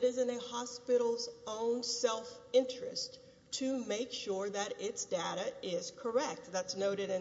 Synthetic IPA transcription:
ɾɪzɨ̃nɨhɑspɪɾl̩ˠzõʊ̃nsɛlˠfɪ̃nt͡ʃɹ̥ɨs | tʰɨmeɪkʃʊɹðɨɾɪtsd̥eɪɾɨɪz̥kʰə˞ɛk̚t̪̚ðætsnoʊɾɨɾɨ̃

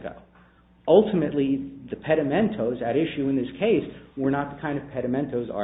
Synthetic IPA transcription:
kʰo̰ʊ | ʌlˠtʰɨmɨtˡliðɨpʰɛɾɨmɛ̃ntʰoʊzɨɾɪʃʉɨ̃nðɪskʰeɪswə˞nət̪̚ðəkʰãɪ̃ndʌv̥pʰɛɾɨmɛ̃ntʰoʊzə̰

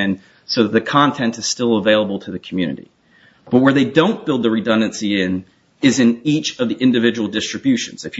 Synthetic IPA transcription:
ɨ̃n | soʊðət̪̚ðɨkʰɑ̃ntʰɛ̃ntɨz̥stɪlˠəveɪlˠəbl̩ˠtʰɨðɨkʰmjʉ̰nɨ̰ɾḭ | b̥ʌt̚wə˞ðeɪdõʊ̃nb̥ɪlˠd̪̚ðɨɹɨdʌ̃ndɨ̃nsiɪ̃n | ɨzɨ̃nit͡ʃʌvðiʔɪ̃ndɨvɪd͡ʒɨwl̩ˠdɪstɹ̥ɨbjʉʃɨ̰̃nz̥ɨfj

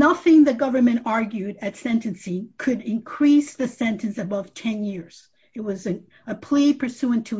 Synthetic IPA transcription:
nʌθɪ̃ŋðɨɡʌvə˞mɨ̃ntɑɹɡjʉɾɨtsɛ̃ntɨ̃nsɪ̃ŋkʰɨɾɪ̃nkʰɹ̥isðɨsɛ̃ntɨ̃nsɨbʌv̥tʰɛ̃njɪɹz̥ | ɨt̚wʌzɨ̃ | ɨpʰl̥ipʰə˞sʉɨ̃ntʰɨ

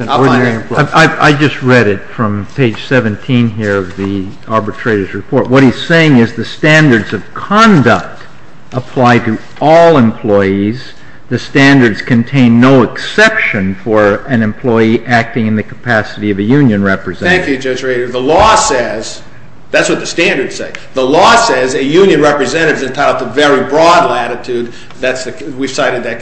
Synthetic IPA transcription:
aɪa̰ɪd͡ʒʌst̚ɹɛɾɪtfɹʌ̃mpʰeɪd̥ʒ̥sɛvɨ̃ntʰĩnɦiɹʌvði | ɑɹbɨtʰɹ̥eɪɾə˞zɹɨpʰɔɹt̚wʌt̚hiz̥seɪɪ̃ŋɨzðɨstæ̃ndə˞dzʌv̥kʰɑ̃ndək̚t | ʔəpʰl̥aɪɾɨ | ɔlˠə̃mpʰl̥ɔɪiz | ðɨstæ̃ndə˞dz̥kʰɨ̃ntʰẽɪ̃nːoʊɨksɛpʃɨ̃nfə˞ɨ̃nɨ̃mpʰl̥ɔɪiʔæk̚tɪ̃ŋɨ̃nðɨkʰə̥pʰæsɨɾiʌvɨjʉ̃njɨ̃nɹɛpɹɨzɛ̃æ̃ŋkjʉd͡ʒʌd͡ʒɹeɪɾə˞ðəlɔsɛz̥ | ðætswʌt̪̚ðɨstæ̃ndə˞d̥seɪðəlɔsɛzɨjʉ̃njɨ̃nɹɛpɹɨzɛ̃nɨɾɨvzɨ̃ntʰaɪɾˠvðɨvɛɹibɹɔdˡlæɾɨtʰʉd̪̚ | ðætsðɨwiv̥saɪɾɨd̪̚ðɨt̚

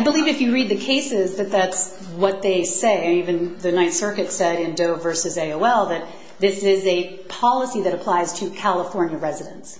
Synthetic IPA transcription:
aɪbəlivɨfjɨɹid̪̚ðɨkʰeɪsɪzðɨt̪̚ðæts | wʌt̪̚ðeɪseɪɨ̃nivɨ̃nðɨnãɪ̃nsɜ˞kɨtsɛɾɪ̃ndoʊvɜ˞sɨzeɪoʊɛlˠðɨt̪̚ | ðɪsɪzɨ | pʰɑlˠəsiðɨɾəpʰl̥aɪz̥tʰɨkʰælˠəfɔɹnjɨɹɛzɨɾɨ̃ns

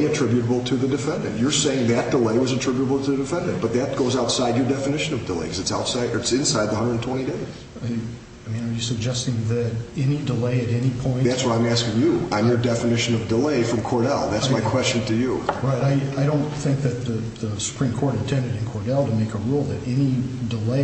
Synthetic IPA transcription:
ɨtʰɹ̥ɪbjɾəbl̩ˠtʰɨðɨdɨfɛ̃ndɨ̰̃nʔjə˞seɪɪ̃ŋðɨt̚d̥əleɪwʌzɨtʰɹ̥ɪbjɨɾəbl̩ˠtʰɨðɨdɨfɛ̃ndɨ̃nb̥ʌt̪̚ðɨt̚ɡ̥oʊzaʊtsaɪdd͡ʒjə˞dɛfɨnɪʃɨ̃nʌvdəlḛɪkʰʌzɨtsaʊtsaɪɨtsɨ̃nsaɪd̪̚ðəhʌ̃ndə˞dn̩tʰw̥ɛ̃ɾ̃ideɪz̥ | a | aɪmĩnajɨsɨɡ̚d͡ʒɛstɪ̃ŋðɨɾɛnidəleɪɨɾɛnipʰɔ̃ɪ̃nðætswʌɾãɪ̃mæskɪ̃ŋjɨãɪ̃njə˞dɛfɨnɪʃɨ̃nʌvdəleɪfɹʌ̃mkʰɔɹɾɛ̰lˠðætsmmaɪkʰw̥ɛst͡ʃn̩tʰɨjuɹaɪɾaɪaɪɾõʊ̃nθɪ̃ŋk̚ðɨt̪̚ðɨ | ðəsə̥pʰɹ̥ĩmkʰɔɹɾɨ̃ntʰɛ̃ndɨɾɨ̃nkʰɔɹɾɛlˠtəmeɪkəɹulˠðɨɾɛnidəleɪ

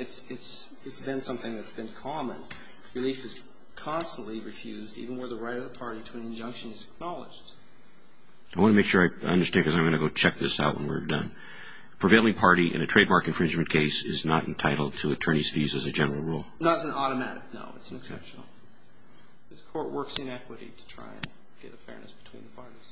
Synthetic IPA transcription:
ɨtsɨts | ɨtsb̥ɨ̃nsʌ̃mθɪ̃ŋðɨtsb̥ɨ̃nkʰɑmə̃n | ɹɨlifɨz̥ | kʰɑ̃nstn̩ʔliɹɨfjʉzdḭvɨ̃nwə˞ðəɹaɪɾʌvðəpʰɑɹɾiɾəɨ̃nɨ̃nd͡ʒʌ̃ŋkʃɨ̃nɨzɨk̚nɑlˠə̰d͡ʒd̥ | aɪwɑ̃ñəmeɪkʃʊɹaɪʌ̰̃ndə˞stæ̃nd̚kʰʌzaɪ̃mɡʌ̃nɨɡoʊt͡ʃʰɛk̚ðɪsa̰ʊʔ̚wə̰̃nwḭɹɨvdʌ̰̃n | pʰɹ̥ɨveɪlˠɪ̃ŋpʰɑɹɾiʔɨ̰̃nɨtʰɹ̥eɪd̚mɑɹkɨ̃nfɹɪ̃nd͡ʒmɨ̃nkʰeɪsɪ̰znəɾɨ̃n̩tʰaɪɾl̩ˠd̚tʰəːtʰɜ˞ñiz̥fizɨzɨd͡ʒɛnə˞l̩ˠɹulˠnəɾɨzɨ̃n̩ɔɾəmæɾɨk̚no̰ʊɨtsn̩ɨksɛ̰pʃnl̩ˠ | zkʰɔɹʔ̚wɜ˞ksɨ̃nɛkwəɾḭɾɨ̥tʰɹ̥a̰ɪɨ̰̃n | ɡ̥ɛ̰ɾɨfɛ̰ɹnɨ̰sb̥ɨtʰw̥ḭ̃nðəpʰɑɹɾiz̥

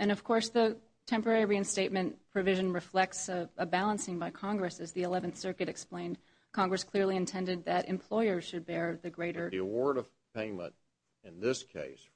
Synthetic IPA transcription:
ɨ̃ñʌv̥kʰɔɹsðɨ | tʰɛ̃mpə˞ɛɹiɨ̃nsteɪt̚mɨ̃npʰɹ̥ɨvɪʒɨ̃nɹɨflɛk̚tsəbælˠə̃nsɪ̃ŋbaɪkʰɑ̃ŋɡɹɨsɨzðiɨlɛṽnθsɜ˞kɨɾɨksplẽɪ̃nd̚ | kʰɑ̃ŋɡɹɨskʰl̥ɪɹliɨ̃ntʰɛ̃ndɨd̪̚ðɨɾʔɨ̰̃mpʰl̥ɔɪə˞z̥ʃɨd̚bɛɹðɨɡɹeɪɾə˞iəwɔɹɾʌv̥ | pʰẽɪ̃mə̰̃n | ɨ̃nðɪskʰḛɪs

